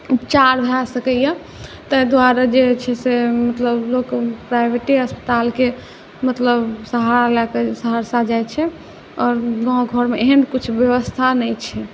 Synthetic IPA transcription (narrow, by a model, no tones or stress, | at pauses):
upt͡ʃaɾbʱasəkəja | t̪əjd̪waɾad͡ʒet͡ʃʰɛsemət̪ləblokpɾajbʱeʈiəspə̥t̪alke | mət̪ləbsəɦaɾalakesəɦaɾsad͡ʒajt͡ʃʰɛ | ɔːɾɡɔ̃ɡʱɔɾmeeɦənkit͡ʃʰbjəʋəst̪ʰanɛjt͡ʃʰɛ